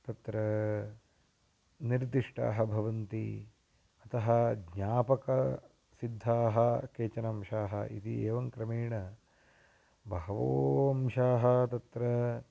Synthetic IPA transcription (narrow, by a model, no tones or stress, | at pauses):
t̪ɐt̪ɾɐ | niɾd̪iʂʈa̰ːɦɐbʱɐʋɐnt̪i | ɐt̪ɐɦɐɡɲaːpɐkɐ | sid̪ʱːaːɦɐkeːt͡ʃɐnɐmʃaːɦɐʔḭt̪ieːʋɐŋkɾɐmeːɳɐ | bʱɐɦɐʋoːɐmʃaːɦɐt̪ɐt̪ɾɐ